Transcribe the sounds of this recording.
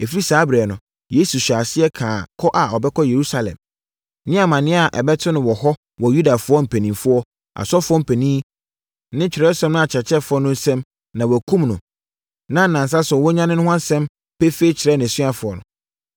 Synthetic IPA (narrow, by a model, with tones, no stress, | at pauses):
e˨fi˦ɾi˦saː˨˦bɾɛ˨nʊ̃˨ | je˦su˨ɕᶣaː˨sɪ˦ɛ˦kʰãː˨kʰɔ˦ʔa˨ɔ˨bɛ˦kʰɔ˦je˨ɾu˦sa˨lɛ̰̃˨m | nɪ̃˦a˨mã˨nɪ̃˦a˨ʔɛ̰˨bɛ˦tʰɪ˦nʊ̃˨wɔ˨hɔ˦ | wɔ˨ju˦da˨fʊ˦ɔ˦m̩˨pʰæ˨nĩ˨fʊ˦ɔ˦ | a̰˨sɔ˦fʊ˦ɔ˦m̩˨pʰæ˨nĩː˦ | nɪ̃˦t͡ɕᶣʰɪ˨ɾɛ˦sɛ̃˦mnʊ̃˦a˨t͡ɕʰɛ˨t͡ɕʰɛ˦fʊ˨˦ɔ˦nʊ̃˦n̩˦sɛ̃˦m | nã˨wɔ˨kʰũ˦mnʊ̃˨ | nã˦n̩˨nã˨n˨s̬a˦sʊ˨wɔ˦ɲã˦nɪ̃˦nʊ̃˦ɦʷʊ̃˦ã˦n˦sɛ̃˦m | pɛ˦fe˦i˦t͡ɕʰɪ˨ɾɛ˦nɪ̃˨sɥa˨fʊ˨ɔ˨nʊ̰̃˨